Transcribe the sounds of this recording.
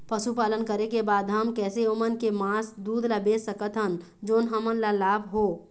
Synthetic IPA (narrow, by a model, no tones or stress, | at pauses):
pəʃupaːlənkəɾekebaːd̪ɦəmkɛːseʊmənkemaːsd̪uːd̪labeːsəkət̪ɦən | d͡ʒoːnɦəmənlalaːbʱɦoː